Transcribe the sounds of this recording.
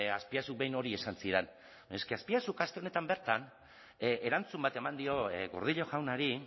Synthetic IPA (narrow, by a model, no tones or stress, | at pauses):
aspiasuk̚be̞jno̞ɾie̞sansiɾen | eske̞aspiasukast̪e̞o̞net̪ambe̞ɾt̪an | e̞ɾant͡sumbat̪e̞mand̪io̞ɣoɾð̞iʎo̞ʝawnaɾi